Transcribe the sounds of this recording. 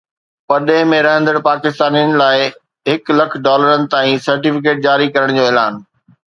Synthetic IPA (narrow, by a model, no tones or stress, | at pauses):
pɐɗẽɪ̃mẽɾɐɦə̃nd̪əɽpaːkɪst̪aːnijənɪ̆laːɪ | ɦɪklɐkʰɖɔːləɾənɪ̆t̪aːĩsɐɾʈifɪk̬eːʈ̚d͡ʑaːɾikɐɾəɽ̃d͡ʑoːɛːlaːn